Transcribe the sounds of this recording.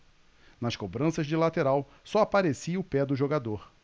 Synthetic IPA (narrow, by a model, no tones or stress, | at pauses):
nɐskobɾɐ̃sɐzd͡ʒɪlat̪eɾaw | sɔapaɾesiʊpɛd̪ʊʒoɡad̪oɾ